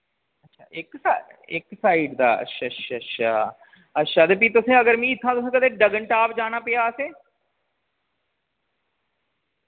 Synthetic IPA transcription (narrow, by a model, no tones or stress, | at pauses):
ətːʃʰa̰ːɪksaɪksaːiːɖd̪a̰ːə̰tʃʰatʃʰaʃʰa̰ː | ətʃʰaːd̪ep̬iːt̪ʊsẽːəɡəɾmĩːɪt̪ʰːãːt̪ʊsẽːkəd̪eːɖəɡəɳʈaːpd͡ʒaːnaːpɪjaːəsẽː